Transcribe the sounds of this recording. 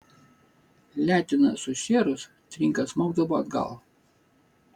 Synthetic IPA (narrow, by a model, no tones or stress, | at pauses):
lʲæːt̪ʲɪnɐsʊʃʲeːɾʊs | t̪ʲɾʲɪŋkɐsmɐʊd̪ɐʋoːɐd̪ɡɐ̰lˠ